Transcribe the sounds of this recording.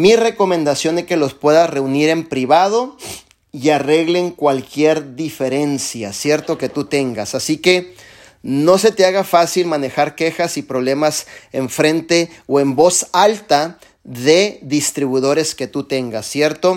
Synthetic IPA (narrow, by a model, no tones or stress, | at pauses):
mire̞ko̞mend̪asjo̞nd̪eke̞lo̞spwe̞ðare̞uniɾe̞mpɾiβað̞o̞ | iare̞ɣleŋkwalkje̞ɾðife̞ɾe̞nsjasje̞ɾt̪oke̞t̪ut̪e̞ŋɡasasike̞ | no̞s̬e̞t̪eaɣafasilmane̞xaɾke̞xasipɾo̞β̞le̞maseɱfɾe̞nt̪e̞oe̞mbo̞salt̪a | ðe̞ðist̪ɾiβuðo̞ɾe̞ske̞t̪ut̪e̞ŋɡasːje̞ɾt̪o̞